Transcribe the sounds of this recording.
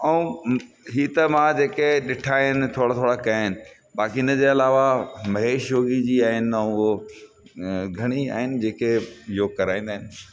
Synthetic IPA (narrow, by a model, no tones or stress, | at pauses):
ɐũ | ɦiːt̪ɐmãd͡ʑeːkeɗɪʈʰaːɦɪnɪ̆t̪ʰoːɽat̪ʰoːɽakɐɪnɪ̆ | baːkiɪnəd͡ʑeːɐlaːʋamɐɦeːʃjoːɡid͡ʑiːaːɦɪnɪ̆ɐũo | ɡʱɐɽ̃ia̰ːɦɪnɪ̆d͡ʑeːkejoːkɐɾaːĩːnd̪aːɦɪnɪ̆